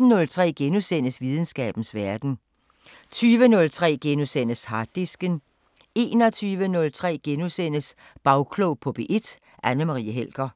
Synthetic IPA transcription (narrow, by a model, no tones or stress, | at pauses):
n̩nɔ̽lt͡sʰʁɛ̰ːɡ̥enusen̰əsʋiːð̞ˠn̩sɡ̥ɛ̰ːb̥n̩sʋæɐd̥n̩ | t͡sʰyːʋənɔ̽lt͡sʰʁɛ̰ːɡ̥enusen̰əshɑ̈d̥isɡ̥ən | e̝̰ːnɒt͡sʰyːʋənɔ̽lt͡sʰʁɛ̰ːɡ̥enusen̰əs | b̥ɑ̈ʊkʰlɔʊpʰɔ̽b̥eʔe̝d̥ | ʔænəmɑʁḭːæɦel̰ɡ̥ɐ